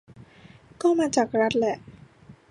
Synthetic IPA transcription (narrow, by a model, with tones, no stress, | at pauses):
kɔː˥˩maː˧t͡ɕaː˨˩k̚ɾa˦˥t̪̚lɛ˨˩ʔ